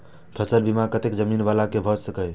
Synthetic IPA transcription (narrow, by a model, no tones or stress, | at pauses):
pʰəsəlbimakət̪ekd͡ʒəminbalakebʱɔsəkəj